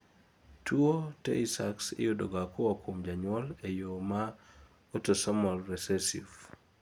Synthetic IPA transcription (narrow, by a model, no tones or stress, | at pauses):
tʰuotḛisaksɪ̰jodoɡakowakʰomd͡ʒaɲwɔlejoma | otosamɔlːɛsesḭf